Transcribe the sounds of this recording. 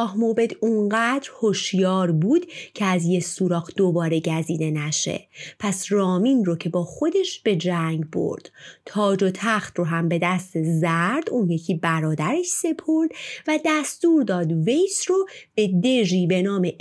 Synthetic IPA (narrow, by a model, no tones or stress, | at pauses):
ɒːhmobe̞d̪uŋɢæːd̪ɾhoʃjɒːɾbuːd̪cʰeæzjesuːɾɒːɣd̪̥obɒːɾe̞ɟæziːd̪e̞næʃe̞̰pʰæsrɒːminrocʰe̞bɒːxo̞d̪e̞ʃb̥e̞d͡ʒæŋɡbo̰ɾd̪̥t̪ʰɒːd͡ʒot̪ʰæxt̪ɾoɦæmbe̞d̪æst̪ezæɾd̪uːnjecʰiːbæɾɒːd̪æɾe̞ʃse̞pʰo̞ɾd̪væd̪æst̪uːɾd̪ɒːd̪ve̞jsrob̥e̞d̪e̞ʒiːbe̞nɒːme